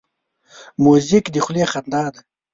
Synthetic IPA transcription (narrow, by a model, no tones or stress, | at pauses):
muzikd̪ixleχand̪ɑːd̪